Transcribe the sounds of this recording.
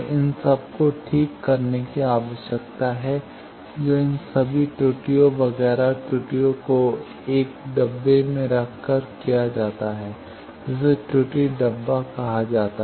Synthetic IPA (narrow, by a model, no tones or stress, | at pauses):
ɪnsɐb̚koʈʰiːkːɐɾnekiaːʋəʃjək̚t̪aɦɛ | d͡ʒoːɪnsɐbʱiʈuːʈijoʋɐɣɛːɾaʈuːʈijoko | eːkɖɐbːemẽɾɐkʰkəɾkijad͡ʒaːt̪aɦɛː | d͡ʒɪs̬eʈuːʈiɖɐbːakɐɦad͡ʒaːt̪a